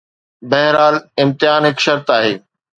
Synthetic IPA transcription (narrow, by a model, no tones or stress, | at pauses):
bɐɦɾaːlɪ̃mt̪ɪɦaːnɦɪkʃɐɾt̪aːɦeː